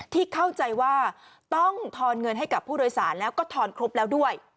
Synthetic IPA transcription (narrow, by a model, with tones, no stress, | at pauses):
t̪ʰiː˥˩kʰa˥˩wt͡ɕa˧jwaː˥˩ | t̪ɔ˥˩ŋt̪ʰɔː˧nŋɤ˧nɦa˥˩jka˨˩pʰːuː˥˩doː˧jsaː˩˦nlɛː˦˥wkɔː˥˩t̪ʰɔː˧nkʰɾo˦˥p̚lɛː˦˥wdu˥˩əj